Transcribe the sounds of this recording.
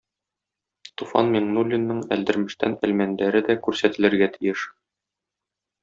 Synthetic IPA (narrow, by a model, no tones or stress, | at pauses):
t̪ufɑ̰nmʲeɴnulʲːɪnːɤɴæ̰ld̪ɘ̆ɾmɘ̆ʃt̪æ̰nælmænd̪æɾɘd̪ækʉɾsæt̪ɘ̆lɘ̆ɾɡæt̪ʰĭjɘʃ